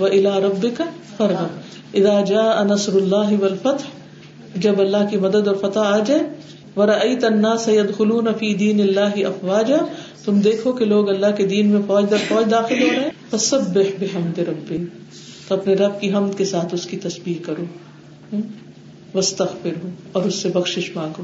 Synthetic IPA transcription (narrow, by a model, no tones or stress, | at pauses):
ʋɐʔɪlaːɾɐbːɪkɐ | fɐɾɐ | ʔɪðaːd͡ʒaːʔɐnɐsɾʊlːaːɦɪwɐlfɐt̪ħ | d͡ʒɐbɐlːaɦkimɐd̪əd̪ɔːɾfɐt̪aaːd͡ʒaːe | ʋɐɾɐʔɐjt̪ɐnːaːsɐjɐd̪xʊluːnɐfiːd̪iːnɪlːaːɦɪʔɐfwaːd͡ʒaːt̪ʊmd̪eːkʰokeloːɡɐlːaɦked̪iːnmẽfɔːd͡ʒd̪ɐɾfɔːd͡ʒd̪aːxɪlɦoːɾɐɦɛ̃ːfɐsɐbːɪħbɪɦɐmd̪ɪɾɐbːɪ | t̪oɐpneɾɐb̚kiɦɐmd̪kesaːt̪ʰʊskit̪ɐsbiːkːɐɾoː | ʋɐst̪ɐɣfɪɾɦoːɔːɾʊsːebɐxʃɪʃmãːɡoː